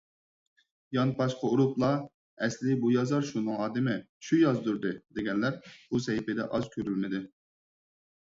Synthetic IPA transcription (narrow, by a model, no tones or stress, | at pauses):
jɑnpɑʃqɑuɾuplˠɑ | ɛslɪbujɑzɑɾʃunɨŋɑːd̪ɪmɪ | ʃujɑzd̪uɾd̪ɨd̪eɡʲɛnlæɾb̥usɛjipɪd̪ɛ̰ʔɑz̥kʲʰøɾylmɪd̪ɪ